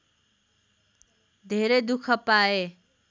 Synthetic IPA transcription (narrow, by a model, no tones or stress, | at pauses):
d̪ʱeɾed̪ukʰəpae